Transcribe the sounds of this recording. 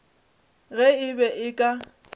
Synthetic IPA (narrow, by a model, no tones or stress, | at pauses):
ɣɛɪbɛʔɪkʼa